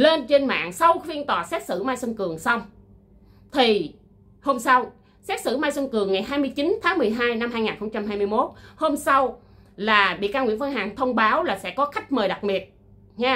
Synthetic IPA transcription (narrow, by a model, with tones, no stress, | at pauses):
le˧nt͡ɕe˧nma̰ː˧˨ŋsa˧wxwi˧ənt̪waː˨˩sɛ˦˥t̚sɨ̰˧˩maː˧jswə˧ŋkɨ˨˩əŋsa˧wŋ͡m | t̪ʰi˨˩ | ho˧msa˧w | sɛ˦˥t̚sɨ̰˧˩maː˧jswə˧ŋkɨ˨˩əŋːa˨˩jɦaː˧jmɨ˧əjt͡ɕi˨˦nt̪ʰaː˨˦ŋmɨ˨˩əjɦaː˧jna˧mhaː˧jŋaː˨˩nxə˧wŋ͡mt͡ɕa˧mɦaː˧jmɨ˧jmo˦˥t̚ho˧msa˧w | laː˨˩ɓḭ˧˨kaː˧ŋḭ˧˥ənfə˧nɦaː˨˩ŋt̪ʰə˧wŋ͡mɓaː˨˦wlaː˨˩sɛ̰˧˥kɔ˨˦xa˦˥k̚məː˨˩jɗa˨˩t̚ɓi˨˩ət̚ | ɲaː˧